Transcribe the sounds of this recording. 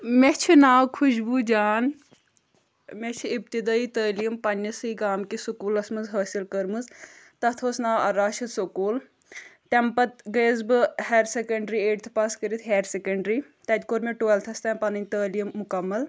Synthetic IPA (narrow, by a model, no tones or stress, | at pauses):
met͡ʃʰinaːwkʰuʃbud͡ʒaːn | met͡ʃʰiipt̪id̪aːit̪əːlijəmpɐnʲːɐsɨiɡaːmkisukuːlɐsmɐzɦɐːsilkɐɾmɨzt̪ɐt̪ʰoːsnaːwɐ̰ɾaːʃit̪sokuːl | t̪empɐt̪ɡeːzbɨheɾsekɐɳɖɾieːʈt̪ʰpaːskəɾit̪ʰɦeːɾsekɐɳɖɾiː | t̪ɐd̪koːɾmẽʈuelt̪ʰɐst̪ɛːmpɐnɨnʲt̪əːlijəmːʊkɐmːɐl